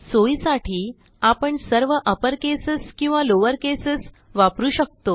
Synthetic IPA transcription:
soisaʈʰiː | apəɳsəɾʋəʔəpəɾkesəskĩw̃ʋaloʋəɾkesəs | ʋapɾuːɕək̚t̪o

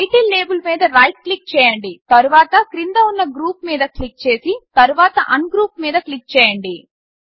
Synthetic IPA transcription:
ɐjʈiːlːe̞ːbulmiːd̪ɐɾɐjʈ̚klik̚t͡ʃɛːjɐɳɖit̪ɐɾuʋaːt̪ɐkɾind̪ɐunːɐɡɾuːpmiːd̪ɐklik̚t͡ʃe̞ːsit̪ɐɾuʋaːt̪ɐʔɐnɡɾuːpmiːd̪ɐklik̚t͡ʃɛːjɐɳɖi

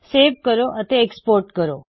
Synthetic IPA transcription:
seʋkəɾoʔət̪eːkspoɾʈkəɾo

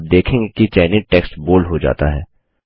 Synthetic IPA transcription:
p̚d̪eːkʰẽːɡekit͡ʃɛːɪniʈɛːksʈboːlɦod͡ʒa̰ːt̪aɦɛː

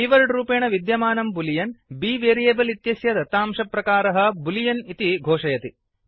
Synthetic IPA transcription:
iːʋɐlɖɾuːpeːɳɐʋid̪jɐmaːnɐmbulijɐnbiːʋeːɾijeːbɐlit̪jɐsjɐd̪ɐt̪aːmʂɐpɾɐkaːɾɐɦɐ̆bulijɐnit̪iɡʱoːʂɐjɐt̪i

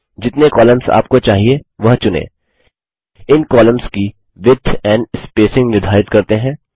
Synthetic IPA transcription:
d͡ʒɪt̪nekɔːləmza̰ːp̚kot͡ʃaːɦieʋɐɦt͡ʃʊnḛ̃ː | ɪnkɔːləmski | ʋɪd̪ʱʰɛ̃ːɳɖɪspeːsɪ̃ŋɡnɪɾd̪ʱaːɪt̪kɐɾt̪eɦɛ̃ː

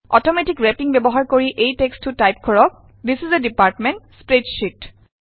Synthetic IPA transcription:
ɔtɔmɛtikɹɛpiŋbɛbɔɦaɹkoɹiʔejtekstʰutajp̚kʰɔɹɔk̚ | d̪isizedipaɹtmenʈspɹed͡ʒʃit

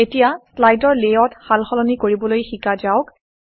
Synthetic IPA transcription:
etijaslajdɔɹlejɔtxalxɔlɔnikoɹibɔlojxikad͡ʒaʊk

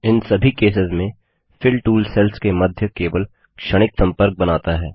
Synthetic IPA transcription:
ɪnsɐbʱikeːs̬ɪzmẽ | fʰɪlʈuːlsɛlskemɐd̪ʱjəkeːʋəl | kʃɐɽ̃ɪksɐ̃mpəɾk̚bɐnaːt̪aɦɛ̰ː

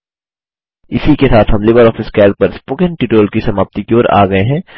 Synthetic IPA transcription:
ɪsikesaːt̪ʰɦɐmlɪʋəɾɔːfɪskɛːlk̚pɐɾspoːkɪ̃nʈiːʈoːlkisɐmaːp̚t̪ikjoːɾa̰ːɡɐeɦɛ̃ː

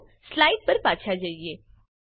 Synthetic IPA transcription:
slaːiɖ̚pɐɾpaːt͡ʃʰad͡ʒaːieː

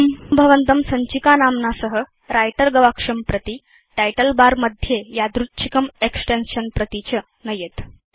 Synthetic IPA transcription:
mbʱəʋənt̪əmsəɲt͡ɕikanamnasəɦə | ɾajʈəɾɡəʋakʂəmpɾət̪i | ʈajʈəlbaɾməd̪ʱjejad̪ɾutːɕʰi̥kəmeksʈenɕənpɾət̪it͡ɕə | nəjet̪

